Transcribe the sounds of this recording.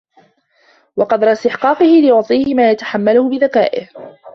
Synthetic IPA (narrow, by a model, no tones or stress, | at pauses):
wɑqɑd̪ɾˤɑst̪ɪħqɑːqɨhɪlɪjʊʕt̪ˤiːhɪmaːjat̪ḁħamːalʊhʊbɪðaka̰ːʔɪ̰h